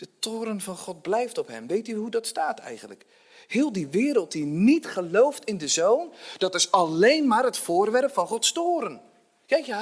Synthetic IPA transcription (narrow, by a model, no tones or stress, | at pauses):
d̥ətoːɾənvɑnχɔt̚blɛjftɔpɦɛmʋejtyɦudɑtstaːtʰɛ̰jχənlək | hɪːlˠdiʋɪːɾəlˠt̚dinitχəlowftɪndəzownd̥ɑtɪsɑlejnmaːɾɦətfoːrʋɛrpfɑnχɔtstoːɾən | kɛjkja